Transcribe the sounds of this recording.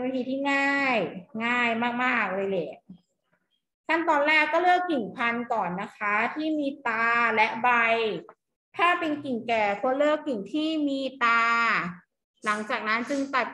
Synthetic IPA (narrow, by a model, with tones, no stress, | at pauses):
ma˥˩t̪ʰiː˧t̪ʰiː˥˩ŋaː˥˩˥jŋaː˥˩jmaː˥˩k̚maː˥˩k̚lɤː˧jle˨˩ | t͡ɕʰa˥˩nt̪ɔː˧nlɛː˥˩kːɔː˥˩lɯ˥˩əkːi˨˩ŋpʰa˧nkɔː˨˩nːa˦˥kʰa˦˥t̪ʰiː˥˩miː˧t̪aː˧lɛ˦˥ʔba˧j | t̪ʰaː˥˩pe˧nki˨˩ŋkɛː˨˩kʰo˧lɤː˥˩əkːi˨˩ŋt̪ʰiː˥˩miː˧t̪aː˧ | la˩˦ŋt͡ɕaː˨˩k̚na˦˥nt͡ɕɯ˧ŋpa˨˩t̪̚